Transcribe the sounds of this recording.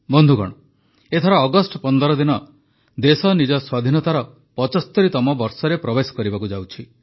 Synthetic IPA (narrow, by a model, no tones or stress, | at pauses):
bɔnd̪ʱuɡɔ̰ɽ̃ɔ | et̪ʰɔɾaːɡɔsʈɔpɔnd̪ɔɾɔd̪inɔ | d̪esɔnid͡ʒɔswad̪ʱinɔt̪aɾɔ | pɔt͡ʃɔst̪ɔɾit̪ɔmɔbɔɾsɔɾepɾɔbesɔ̥kɔɾibakud͡ʒawt͡ʃʰi